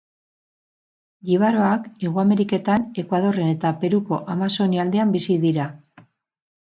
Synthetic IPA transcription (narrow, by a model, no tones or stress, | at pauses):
ɡiβ̞aɾo̞ake̞ɣ̞uame̞ɾike̞t̪ane̞kwað̞o̞re̞ne̞t̪ape̞ɾuko̞ʔamaso̞niald̪e̞ambisiðiɾa